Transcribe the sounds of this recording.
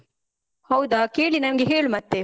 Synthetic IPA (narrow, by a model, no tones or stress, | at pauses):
hɐwd̪aːkeːɭinɐmɡeɦeːɭumɐt̪ːe